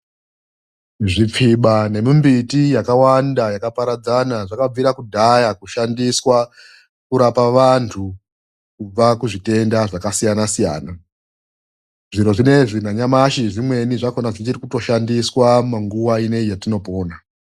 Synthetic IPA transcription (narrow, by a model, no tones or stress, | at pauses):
ʐip͡fiɓane̞mimbitijakawandajakapaɾad͡zanaʐakab͡viɾakudʱajakuʃandiswa | kuɾapaʋantʰu | kub͡vakuʐite̞ndaʐakasijanasijaːna | ʐiɾo̞ʐine̞ʐinaɲamaʃiʐimwe̞niʐakonaʐit͡ʃiɾikuto̞ʃandiswamaŋɡuwaine̞ijatino̞po̞ːna